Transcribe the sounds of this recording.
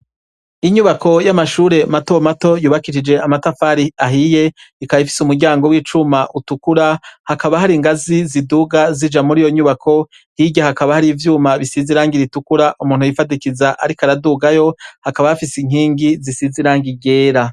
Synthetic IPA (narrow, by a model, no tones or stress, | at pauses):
iɲuβakʰo̞jamaʃuːɾe̞mato̞mato̞juːβakiʃid͡ʒe̞amatafaːɾiaɦije̞ikajifi̥sumuɾɟaːŋɡo̞wiːt͡ʃumaʔutukuɾahakaβaɦaɾiŋɡaziziduɡazid͡ʒamuɾiːjo̞ɲuβakʰo̞ | hiɟahakaβahaɾivjuːmaβisiziɾaːŋɡiɾitukuɾaʔumuːnhujifadikizaʔa̰ɾikaɾaduɡajo̞hakaβahafisiŋ̥iːŋɡizisiziɾaːŋɡiɟe̞ːɾa